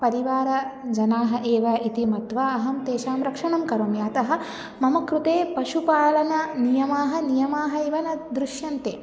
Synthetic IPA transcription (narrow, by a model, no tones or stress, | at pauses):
pɐɾiʋaːɾɐd͡ʒɐnaːɦɐ̆ʔeːʋɐit̪imɐt̪ʋɐɐɦɐmt̪eːʃaːmɾɐkʂɐɳɐmkɐɾoːmjɐɐt̪ɐɦɐ̆ | mɐmɐkɾut̪eːpɐʃupaːlɐnɐnijɐmaːɦɐ̆nijɐmaːɦɐiʋɐnɐd̪ɾuʃjɐnt̪eː